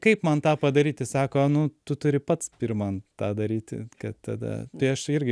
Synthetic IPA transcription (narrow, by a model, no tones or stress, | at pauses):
kɐɪpmɐnt̪ɑːpɐd̪ɐɾʲiːt̪ʲɪsɑːkoːnʊt̪ʊt̪ʊɾʲɪpɐt̪spɪrmɐnt̪ɑːd̪ɐɾʲiːt̪ʲkɐt̪t̪ɐ̰d̪ɐ̰t̪ɐɪɐʃɪrʲɡʲɪ